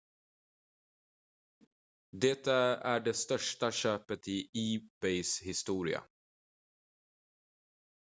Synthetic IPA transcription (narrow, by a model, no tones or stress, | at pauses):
d̪ɛt̪ːaæɖɛst̪œʂʈaɕøːpət̪ʰɪiːb̥ɛɪshɪst̪uːɾɪ̰a̰